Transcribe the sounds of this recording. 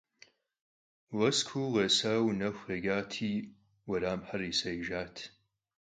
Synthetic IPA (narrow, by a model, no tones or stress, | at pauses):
wɐskʷʰuːʁɐsaːwnɐxʷɐɡaːtʰiː | wɐɾaːmħɐriːsɐjʒaːtʰ